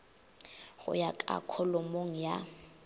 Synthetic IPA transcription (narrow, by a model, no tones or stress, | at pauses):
ɣʊ̰jakʼa̰kʰɔlomoŋ̩ja